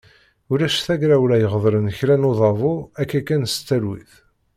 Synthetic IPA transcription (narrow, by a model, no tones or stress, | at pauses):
ʊɾæʃθæɡɾæwɾæjəʁðˤɾənçlænoðˤɑvʊækːækːænst̪ːælwḭθ